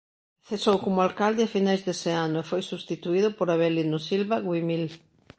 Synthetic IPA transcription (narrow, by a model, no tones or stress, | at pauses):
θesowkomʊalkald̪ɪafinajzðeseanʊefojsust̪it̪uiðʊpoɾaβɛlinʊsilβaɣwimil